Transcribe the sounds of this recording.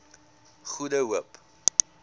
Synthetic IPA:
χudəɦuəp

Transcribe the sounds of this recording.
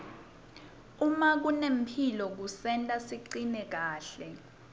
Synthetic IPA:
umak̬unem̩pʰilɔk̬usɛntʼasiǀinɛk̬aːɬɛ

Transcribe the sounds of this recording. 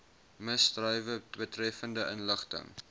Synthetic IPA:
məstrœɥvəbətrɛfəndəʔənləχtə̰ŋ

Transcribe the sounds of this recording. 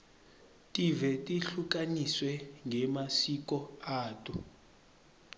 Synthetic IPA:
tʼivɛtʼiɬuk̬ʼaniswɛŋɡʱɛmasik̬ʼɔaːtʼṵ

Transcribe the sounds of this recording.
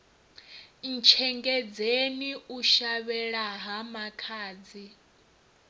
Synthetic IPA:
n̩t͡ʃʰɛŋɡɛd͡zeniuʃaβɛɺaɦamakʰaːd͡zi

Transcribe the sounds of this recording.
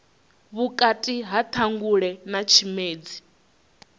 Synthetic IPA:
βukʼatʼiɦat̪ʰaŋɡuɺɛnat͡ʃʰimeːd͡zi

